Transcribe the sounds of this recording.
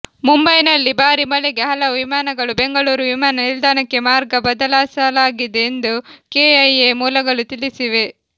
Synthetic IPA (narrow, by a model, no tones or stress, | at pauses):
mumbɐjnɐlːibaːɾimɐleɡeɦɐlɐʋimaːnɐɡɐɭube̞ŋɡɐɭuːɾuʋimaːnɐnild̪ʱaːnɐkːe̞maːɾɡɐbɐd̪ɐlaːsɐlaːɡid̪eːnd̪ukeɐjemuːlɐɡɐɭut̪ilisiʋe̞